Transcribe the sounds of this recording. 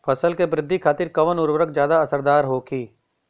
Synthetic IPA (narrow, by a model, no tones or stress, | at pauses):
fɐsəlkebɾɪd̪ʱːikʰaːt̪ɪɾkɐʋənʊɾwəɾəkd͡ʒjaːd̪aɐsəɾd̪aːɾɦoːkʰiː